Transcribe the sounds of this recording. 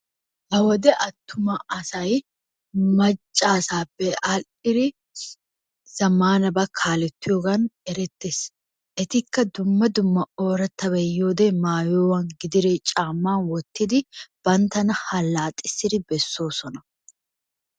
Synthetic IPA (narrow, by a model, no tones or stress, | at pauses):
hɐwɔd̪ɛʔɐt̪ːʊmɐɐsɐj | mɐt͡ʃʼːaːsaːbːɛʔɐlʔɪɾɪ | z̥ɐmaːnɐbɐkʰaːlɛt̪ːɪjoːɡɐnɛɾɛt̪ːeːs | ʔɛt̪ɪkːɐd̪ʊmːɐd̪ʊmːɐoːɾɐt̪ːɐβɛjoːd̪ɛmaːjoːwɐnɡɪd̪ɪɾet͡ʃʼaːmːaːnwɔt̪ːɪd̪ɪb̥ɐnt̪ɐnɐhɐlːaːt̪ʼɪ̥sːɪd̪ɪbɛsːo̞ːsɔnɐ